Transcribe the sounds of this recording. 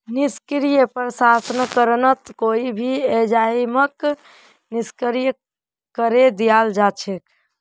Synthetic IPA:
niskɾijəpɾəsasənəkəɾənət̪koibʱiɛd͡ʒaimək | niskəɾijə | kəɾed̪ijald͡ʒat͡ʃʰek

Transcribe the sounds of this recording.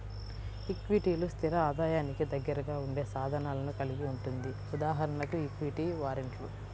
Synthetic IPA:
ikʋiʈiːlust̪ʰiɾɐaːd̪aːjaːnikid̪ɐɡːɐɾɐɡaːuɳɖe̞ːsaːd̪ʱɐnaːlɐnukɐliɡiuɳʈund̪i | ud̪aːɦɐɾɐnɐkuikʋiʈiʋaːɾeɳʈlu

